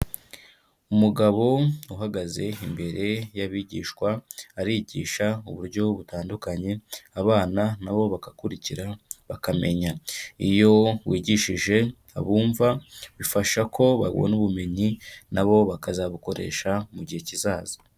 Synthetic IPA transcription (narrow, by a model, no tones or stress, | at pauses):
umuɡaβo̞uɦaɡaze̞imbe̞ɾe̞jaβiːɟḭːʃkwaːɾiːɟiːʃauβuɾɟo̞βutaːndukaɲe̞aβaːnanaβo̞βakakuɾiciɾaβakame̞̰ɲaijo̞wiːɟiʃiʒe̞ | a̰βuːɱvaβifaʃakʰo̞βa̰ɡo̰nuβume̞ɲinaβo̞βakazaβuko̞ɾe̞̰ːʃamuɟihe̞cizaːzo̥